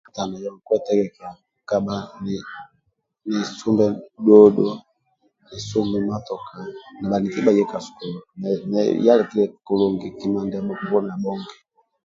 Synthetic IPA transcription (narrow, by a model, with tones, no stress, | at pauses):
ta˨na˨jɔ˨ŋku˦ɛ˦tɛ˦ɡɛ˨ka˨ | ka˦ba˦ni | ni˨su˦mbɛ˨dɔ˦dɔ˦ | ni˨su˦mɛ˨ma˦tɔ˨ka˨na˨ba˨ni˨ki˦ba˨ijɛ˦ka˨su̥˨ku˨m˨nɛ̰ja˦lɛ˨ki˦lɛ˨ku˨lu˨ŋɡi˨ki˨˦ma˨ndɛ˨bɔ˦˨bɔ˦n˨a˨bɔ˦ŋɡɛ˨